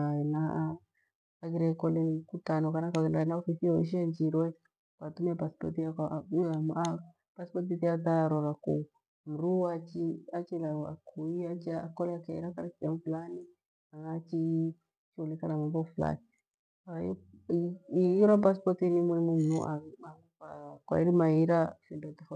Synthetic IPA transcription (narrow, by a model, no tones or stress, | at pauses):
aɛna | aɡiɾɛkɔlɛkutanɔkanakanaɛnaɔfisiɔiʃ̬iand͡ʒiɾwɛ | katumɛapaspɔ̰tiakalama | paspɔt̬itiat̪aɾɔɾaku | m̩ɾuat͡ʃiat͡ʃilaakuiat͡ʃakɔlɛakaiɾakaɾisdamufulani | aŋat͡ʃi | t͡ʃiulikanamambɔfula̰ni | a | iiɾapaspɔtinimwɛimunṵʔaa | akwa̰iɾimaiɾafindɔt̪ifɔ